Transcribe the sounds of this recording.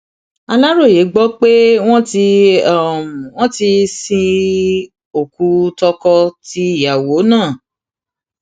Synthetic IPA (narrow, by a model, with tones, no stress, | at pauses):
a˧la˦ɾo˦˨je˨˦ɡ͡bɔ˦k͡pe˦w̃ɔ̃˦ti˧˦˨ | w̃ɔ̃˦ti˧sĩ˧ | o˨ku˨˦tɔ˧kɔ˧ti˧˦˨ja˨wo˨˦nãː˦˨